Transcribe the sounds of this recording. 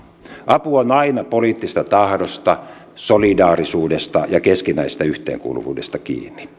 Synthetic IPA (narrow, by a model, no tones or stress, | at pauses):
ʔɑpuonɑinɑpoliːt̪ːist̪ɑt̪ɑhdost̪ɑ | solidɑːrisuːdest̪ɑjɑkeskinæise̥st̪æyht̪ḛːŋkṵːlṵʋṵːdest̪ɑkḭːnːi̥